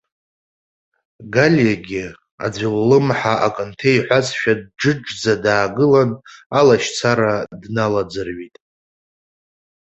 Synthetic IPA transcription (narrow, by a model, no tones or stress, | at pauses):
ɡalʲjaɡʲɪ | a̰d͡zʷiwlɨmħaʔakʼɨntʰejħʷazʃᶣad̚ʈ͡ʂɨʈ͡ʂd͡zadaːɡɨlanalaʃt͡sʰaɾadnalad͡zɨrɥitʼ